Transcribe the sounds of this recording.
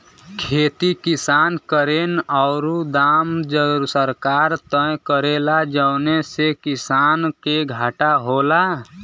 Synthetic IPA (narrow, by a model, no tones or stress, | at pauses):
kʰeːt̪ikɪsaːnkəɾenɔːɾud̪aːmd͡ʒəɾsəɾkaːɾt̪ə̃kəɾeːlad͡ʒəʊnesekɪsaːnkeɡʱaːʈaɦola